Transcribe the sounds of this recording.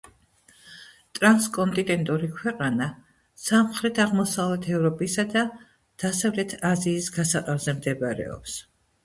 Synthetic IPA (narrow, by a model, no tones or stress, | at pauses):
t̪ʼɾanskʼɔnt̪ʼinɛnt̪ʼuɾikʰwɛqʼana | samχɾɛt̪ʰaʁmɔsavlɛt̪ʰɛvɾɔpʼisad̪a | d̪̥asavlɛt̪ʰaziːsɡasaqʼɛvzɛmd̪ɛbɾɛ̰ɔ̰ps